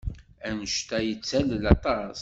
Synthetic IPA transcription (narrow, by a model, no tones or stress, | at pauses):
ænəʃt̪æjət͡sːællɑt̪ˤɑs